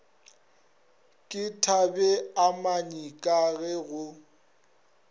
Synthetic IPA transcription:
kʼɪtʰabɛamaɲikʼaɣɛɣʊ

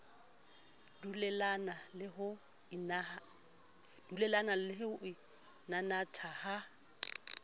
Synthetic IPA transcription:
dulɛlanalɪɦʊ | ɪna | d̥ulɛlanalɪɦʊʔɪ | nanatʰaha

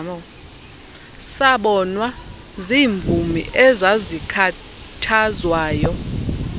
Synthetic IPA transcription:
ɔ | saɓɔnwa | ziːɱvumḭʔɛzazikʰa | tʰazwaːjɔ

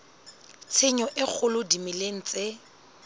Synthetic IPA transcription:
t͡sʰɪɲɔʔɪk͡xʰʊlʊdimɪleŋ̩t͡sʼe

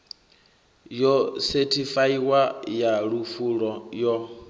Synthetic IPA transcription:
jɔsɛtʰifaiwajaɺufuɺɔjɔ

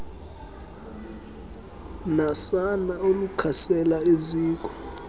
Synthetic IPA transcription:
nasanaolukʰasɛlaeziːk̬ɔ̥

